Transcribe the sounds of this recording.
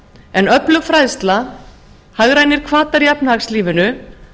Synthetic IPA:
ɛnœplʏɣfɾajðst̪la | haɣɾajnɪɾ̥kʰvaːt̪aɾjapnhaxsliːvɪnʏ

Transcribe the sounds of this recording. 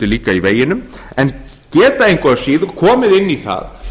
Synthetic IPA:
t̪ɪliːkaiveːjːɪnʏmɛn | cɛːt̪aejŋkɔasiːðkʰɔːmɪðɪnːiθa̰ð

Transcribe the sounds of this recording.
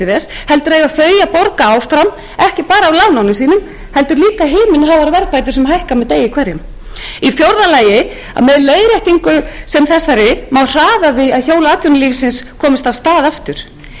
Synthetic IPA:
ɪðɛshɛlt̪ʏɾeɣafœɥjapɔɾkaawfɾam | ɛhcɪpaːɾaːwlawnawnʏmsiːnʏm | hɛl̪t̪ʏɾliːkaɦɪːmɪnɦavaɾvɛɾpajt̪̬ʏɾ̥sɛmɦajhkamɛðt̪eːjːɪkʰvɛɾjʏm | ifjowɾðalaːjɪ | a̰ðmɛðleːjɾjɛht̪iŋkʏsɛmθɛsːaɾɪmawr̥aːðavɪaðçoːwlaaːt̪jɔwnɪliːvsɪnskʰɔːmɪst̪av̥st̪aːðaft̪ʏɾ̥

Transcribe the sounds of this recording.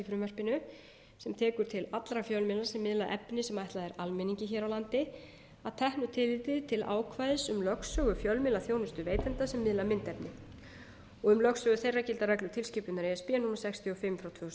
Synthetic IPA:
ifɾʏːmœr̥pɪnʏ | sɛmt̪ʰɛːkʏɾt̪ʰɪlat̪lɾafjœlmɪlḁsɛmːɪðlaʔɛpnɪsɛmajht̪laðɛɾalmɛniɲcɪçɛːɾawlant̪ɪ | aðt̪ʰɛhnʏt̪ʰɪlvɪt̪ɪt̪ʰɪlʔa̰ːwkʰvajðɪsʏmlœksœːɣʏfjœlmɪlaθjownɪst̪ʏveːjt̪ɛnt̪asɛmːɪðlamɪnt̪ɛpnɪ | ɔɣʏmlœksœːɣʏθejrːacɪlt̪aɾɛklʏt̪ʰɪlscɪpʏnnaɾejɛspiːanumaɾ̥sɛkst̪ʰiɔfɪmfɾawt̪vœhs

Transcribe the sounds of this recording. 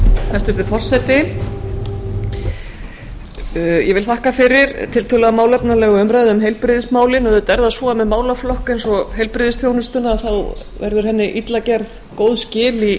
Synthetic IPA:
θast̪ɪɾt̪ɪfɔr̥sɛt̪ɪ | jɛvɪlθahkafɪɾɪɾt̪ʰɪlt̪ʰʏlaamaːwlɛpnalɛːɣʏœmɾajðɪʏmɦejlpɾɪðɪsmaːwlɪnɛðʏt̪ɛɾðasɔːamɛðmaːwlaflɔhkejnsɔɦejlpɾɪðɪsθθjownʏst̪ʏnaːðθaw | vɛ̰ɾðʏɾ̥ɦɛnːɪʔit̪lacɛɾð | koːwðscɪːli

